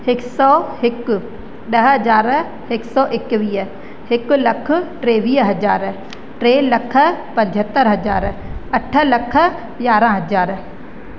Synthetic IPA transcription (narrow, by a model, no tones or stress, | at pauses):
ɪksɔːhɪk | ɗəɦd͡ʒaːɾ | ɪksɔːʔɪkʋiːə | ɦɪklɐkʰʈɾeːʋiːɦɐd͡ʒaːɾ | ʈɾeːləkʰpɐ̃ɲd͡ʒʱɦət̪ːəɾɦɐd͡ʒaːɾɐʈʰələkʰ | ɡjaːɾãɦɐd͡ʒaːɾ